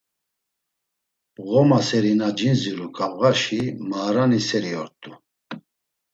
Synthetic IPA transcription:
ɣɔmasɛɾinad͡ʒinziɾukʼavɣaʃimaːɾanisɛɾiɔɾt̪ʼu

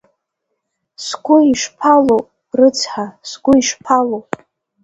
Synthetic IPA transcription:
sɡʷʊiʂpʰalo | rɨt͡sʰħasɡʷʊiʂpʰalowʼ

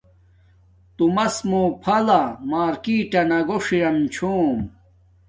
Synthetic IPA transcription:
t̪umɐsmoːpʰɐlamaːɾkiʈɐnɐɡoʂiɾɐmt͡ɕʰoːm

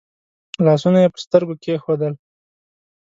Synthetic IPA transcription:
lɑsunajepəst̪əɾɡokexod̪əl

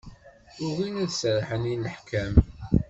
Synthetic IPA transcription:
ʊɾinæðsəɾˤħəniləħkʰæm

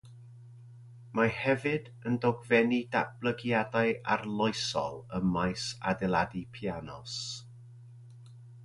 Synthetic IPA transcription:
mahɛvɨd | əndɔɡvɛnida̰blˠəɡjadajʔa̰rlˠɔɨsɔ̰lˠəmajsa̰dɛlˠadipʰjanɔs

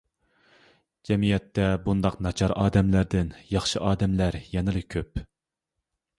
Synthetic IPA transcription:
d͡ʒɛmijɛt̪ːɛbund̪ɑqnɑt͡ʃʰɑɾʔɑːd̪ɛmlæɾd̪ɪnjɑχʃɨʔɑːd̪ɛmlæɾjɛnɨlˠɨkʲʰøp

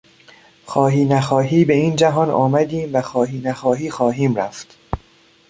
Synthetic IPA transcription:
xɒːɦiːnæxɒːɦiːbe̞iːnd͡ʒæɦɒːnɒ̰ːmæd̪iːmvæxɒːɦiːnæxɒːɦiːxɒːɦiːmɾæft̪

